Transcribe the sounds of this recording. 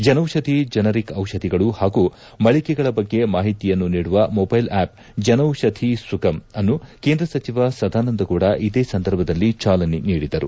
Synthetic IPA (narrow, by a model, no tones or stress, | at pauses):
d͡ʒɐnɐwʃɐd̪ʱid͡ʒɐnɐɾikɐwʃɐd̪ʱiɡɐɭuhaːɡu | mɐɭikɛɡɐɭɐbɐɡːe̞maːɦit̪ijɐnːuniːɽuʋɐmobɐjlaːp̚ | d͡ʒɐnɐwʃɐd̪ʰʱisuɡɐmɐnːuke̞ːnd̪ɾɐsɐt͡ʃiʋɐsɐd̪ʱaːnɐnd̪ɐkuːɽɐʔid̪eːsɐnd̪ʱɐɾbʱɐd̪ɐlːit͡ʃaːlɐniniːɽid̪ɐɾṵ